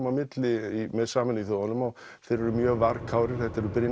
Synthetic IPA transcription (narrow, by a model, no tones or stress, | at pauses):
mamɪt̪lɪimɛðsaːmɛnʏiθoanʏmaɣ | θejɾɛɾʏmjœːɣvaɾkʰaːwɾɪɾ̥θɛht̪aɾpɪɾjɪ